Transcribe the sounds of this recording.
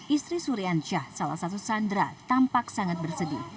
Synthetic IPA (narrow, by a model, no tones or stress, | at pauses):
ʔist̪ɾisuɾiant͡ʃahsalahsat̪usandɾat̪ampaksaŋat̪̚bərsədḭ